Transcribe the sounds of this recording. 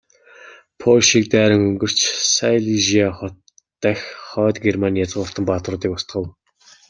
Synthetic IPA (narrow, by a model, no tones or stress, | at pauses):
pʰoʃiːk̚t̪æːɾə̆ŋɵŋɡɵ̆r̥t͡ɕsajɮiʒiaχɔt̪ː | æxχœːt̪ɡermanjat͡səʁʊrt̪ə̆mpat̪rʊːt̪iːkʊst̪χə̆w